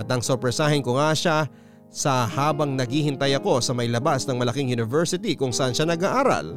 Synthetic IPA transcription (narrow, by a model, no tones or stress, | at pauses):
ʔɐt̪ɐŋsopɾɛsaːhɪnkʊŋaʃa | sɐhaːbɐŋnɐɡhiːhɪnt̪ɐjɐko̞sɐmɐjlɐbasnɐŋmɐlɐkiŋjunɪvɛɹsɪt̪ikʊŋsɐʔanʃanɐɡaʔaːɾa̰l